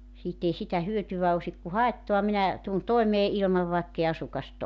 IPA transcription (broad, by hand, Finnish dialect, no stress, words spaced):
siːt ei sitæ hyøtyʋæ osik ku hɑetːoɑ minæ tun toemeː ilmɑʋ ʋɑekːei ɑsukɑst